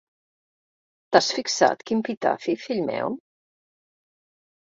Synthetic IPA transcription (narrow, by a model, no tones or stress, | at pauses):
t̪asfiksa̰t̪kimpit̪a̰fifiʎmɛ̰w